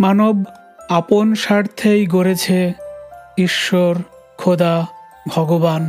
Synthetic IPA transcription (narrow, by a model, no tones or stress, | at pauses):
manob | aponʃaɾt̪ʰejɡoɾet͡ɕʰe | iʃːoɾ | kʰod̪a | bʱɔɡoban